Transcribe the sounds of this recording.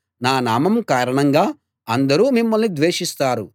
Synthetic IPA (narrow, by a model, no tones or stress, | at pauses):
naːnaːmɐmkaːɾɐɳɐŋɡaː | ɐnd̪ɐɾuːmimːɐlnid̪ʋeːʂist̪aːɾu